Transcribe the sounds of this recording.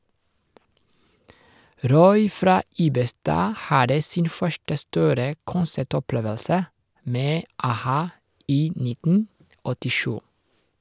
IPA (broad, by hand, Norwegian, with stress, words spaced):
ˈɾɔʏ ˈfɾɑː ˈiːbəˌstɑː ˈhɑdə ˈsɪn ˈfœʃʈə ˈstuːɾə ˈkʊnsæˌʈɔˌpleːʋəlsə ˈmeː ɑˈhɑː ˈiː ˈnɪtn̩ ɔtɪˈʃʉː